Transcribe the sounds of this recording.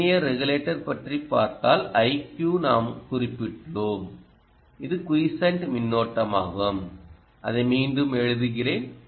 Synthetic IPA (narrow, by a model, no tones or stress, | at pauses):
ɪjɐɾɛɣʊleːʈːɐɾpɐʈripːa̰ːɾt̪aːlɐɪkjuːnaːmkʊrɪpːɪʈɭoːm | ɪðɯkʊjsɐɳʈmɪnːoːʈːɐma̰ːɣɐm | ʔɐ̰ðɐɪmiːnɖɯmɛɻɯðɯɣɪreːn